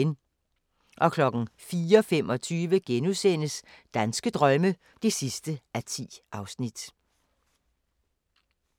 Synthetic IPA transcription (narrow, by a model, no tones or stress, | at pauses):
n | ʔɒ̽kʰlɒ̽ɡ̥n̩fiːɒfem̰ɒ̽t͡sʰyːʋəɡ̥enusen̰əsd̥ænsɡ̥əd̥ʁɶmə | d̥e̝sisd̥əʔæt͡sʰḭːʔɑ̈ʊsnid̥